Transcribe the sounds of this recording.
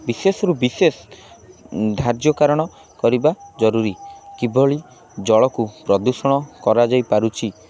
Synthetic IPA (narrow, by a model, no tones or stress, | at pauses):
bisesɔɾubises | d̪ʱaɾd͡ʒjɔkaɾɔɽ̃ɔ | kɔɾibad͡ʒɔɾuɾikibʱɔɭi | d͡ʒɔɭɔkupɾɔd̪usɔɽ̃ɔkɔɾad͡ʒajpaɾut͡ʃʰi